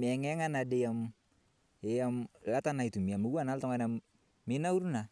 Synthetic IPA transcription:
mɛaŋɛŋanadɛjam | ɛjamlat̪anait̪umiamuanalt̪ɔŋana | minauɾuna

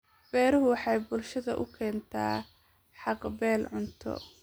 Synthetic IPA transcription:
bɛːɾɐɦʊwɑħɑjbʊlʃɐðɐ̰ʔʊkʰɛːnt̪ʰa̰ː | ħɑqbɛːlʕʊnt̪ʰɔ̰

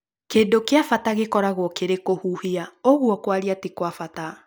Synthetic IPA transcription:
keːndokeafataɣekɔɾaɣwɔkeɾekohuhiaoɣwɔkwaɾiatikwafata

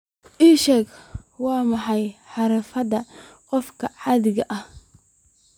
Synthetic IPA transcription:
ʔiːʃɛːɡwɑːmɑħɑjħɑɾɐfɐðɐqɔfkʰɐʕɑðɪɣɐʔɐh

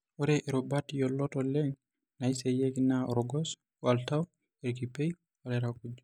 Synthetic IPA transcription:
ɔɾɛʔɛɾɔbatijɔlːɔtɔlɛn | najsɛjɛkinaɔɾɔɡɔs | waltaw | ɛɾk̬ipɛj | waɾɛɾakud͡ʒu

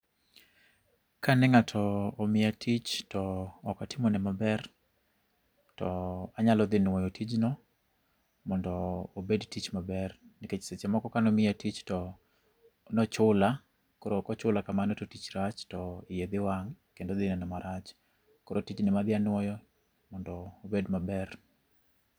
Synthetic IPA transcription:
kʰanɛŋatʰɔːmɪatʰit͡ʃtɔːkatɪmonɛmabɛr | tɔaɲalɔd̪ɪnwɔjɔtʰid͡ʒnɔ | mɔndɔːbedtit͡ʃmabɛrniket͡ʃsɛt͡ʃɛmɔkɔkanɔmɪatit͡ʃtɔ | nɔt͡ʃʊla | kɔɾokɔt͡ʃʊlakamanototit͡ʃɾat͡ʃtɔɪjed̪ɪwaŋkendod̪ɪnɛnɔmaɾʔat͡ʃ | kɔɾotit͡ʃnɪmad̪ɪanwɔjɔ | mɔndɔːbedmabɛr

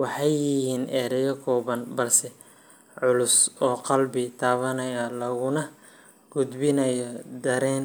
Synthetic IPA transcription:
wɑħɑjːɪhiːnʔɛːɾɛjɐkʰɔːβɐnbɐlsɛ | ʕʊlʊsɔːqɑlbɪt̪ʰaːβɐnɐjɐlɐɣʊnɐ | ɡ̥ʊd̪bɪnɐjɔd̪ɐɾɛːn

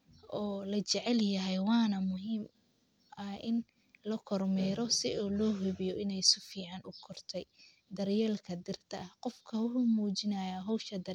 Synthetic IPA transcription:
ʔɔːlɐt͡ʃɛʕɛljɐɦɛjwɑːnɐmʊɦiːm | ʔɐʔɪn | lɐkʰɔrmɛːɾɔsɪʔɔːlɔːɦʊβɪjɔɪnɛjsʊfiːʕɑnʊkʰɔrt̪ʰɛj | d̪ɐrjɛlkʰɐd̪ɪrt̪ʰɐʔɐhqɔfkʰɐwʊħʊmuːt͡ʃɪnɐjaɦɔwʃɐd̪ɐ

